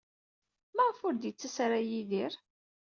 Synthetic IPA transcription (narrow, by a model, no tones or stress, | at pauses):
mæʁfʊɾd̪jət͡sːæsɾajiðiɾ